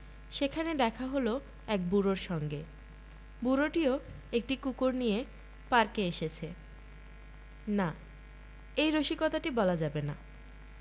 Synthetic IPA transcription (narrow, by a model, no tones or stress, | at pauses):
ʃekʰaned̪ɛkʰaɦolo | ɛk̚buɾoɾʃɔŋɡe | buɾoʈio | ek̚ʈikukoɾnije | paɾkeeʃet͡ɕʰe | na | ejɾoʃikɔt̪aʈibɔlad͡ʑabena